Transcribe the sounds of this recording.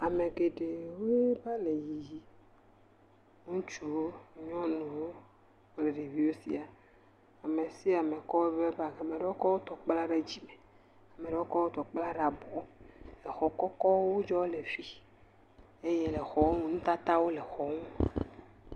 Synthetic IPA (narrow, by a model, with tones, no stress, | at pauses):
a˨me˨ɡe˨ɖe˨wo˦ba˦le˨ji˨ji˦ | ŋũ˦t͡ʃu˦ɲɔ̃˦nũ˨wo˦ | le˨ɾe˨vi˦wo˦sḭ˦a˨ | a˨me˨si˦a˨me˨kɔ˦we˦ve˦ba˦˨a˨me˨ɖe˦wo˦kɔ˦wo˦t̪ɔ˨k͡pla˦ɖe˦d͡ʑi˦me˨ | a˨me˨ɖe˨˦o˦kɔ˦wo˦t̪ɔ˨k͡pla˦ɖa˨bɔ˨˦le˨xɔ˨kɔ˦kɔ˦wo˦d͡ʒɔ˦le˨vi˦ | e˦je˦le˨xɔ˨˦ŋũ˦nũ˦t̪a˦t̪a˦wo˦le˨xɔ˦ŋũ˦